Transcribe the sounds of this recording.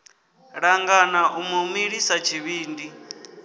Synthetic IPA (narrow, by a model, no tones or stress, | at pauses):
ɺaŋɡanaʔumomiɺisat͡ʃʰiβiːndi